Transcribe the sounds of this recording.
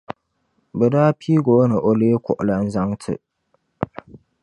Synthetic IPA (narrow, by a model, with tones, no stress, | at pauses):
bɛ˨daː˦pʰi˦ɡo˨˦nɨ˨ʔo˨leː˦kʊ̰˨ʔʊ˨la˦n̩˦za˦ŋtʰɨ̰˨